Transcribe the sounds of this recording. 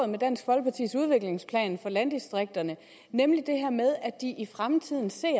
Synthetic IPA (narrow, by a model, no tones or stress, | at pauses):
ð̩ˠmed̥æn̰sɡ̥ʋɒ̽lɡ̥̚pʰɑ̈t͡sʰḭːsuð̞ˠʋe̝ɡ̥le̝ŋspʰlɛ̰ːnfɒ̽lænd̥isd̥ʁeɡ̥̚d̥ɐnə | nemlid̥e̝ɦæɐmeð̞ˠæd̥iʔifʁamt͡sʰið̞̰ˠn̩se̝̰ːɐ